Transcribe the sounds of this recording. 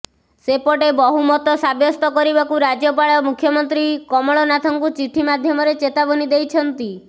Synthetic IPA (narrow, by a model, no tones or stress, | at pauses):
sepɔʈebɔɦumɔt̪ɔsabjɔst̪ɔkɔɾibakuɾad͡ʒjɔpaɭɔmukʰːjɔmɔnt̪ɾikɔmɔɭɔnat̪ʰɔŋkut͡ʃiʈʰimad̪ʱjɔmɔɾet͡ʃet̪abɔnid̪ejt͡ʃʰɔnt̪i